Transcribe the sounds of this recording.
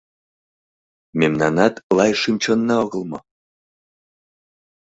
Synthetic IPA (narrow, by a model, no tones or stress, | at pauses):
memnɑnɑt̪lɑjʃimt͡ɕonːɑoɣɤ̆lmɤ